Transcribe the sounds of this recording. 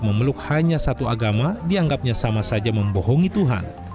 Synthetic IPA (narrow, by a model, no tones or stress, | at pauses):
məməlʊk̚haɲasat̪uaɡamadiaŋɡap̚ɲasamasad͡ʒaməmbɔɦɔŋit̪uɦa̰n